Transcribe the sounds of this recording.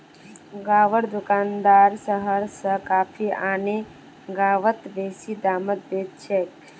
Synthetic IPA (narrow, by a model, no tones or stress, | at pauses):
ɡaːʋəɽd̪ʊkaːnd̪aːɾsəɦəɾsəkaːpʰiaːne | ɡaːʋət̪beːsid̪aːmət̪̚beːt̪̚t͡ʃʰeːk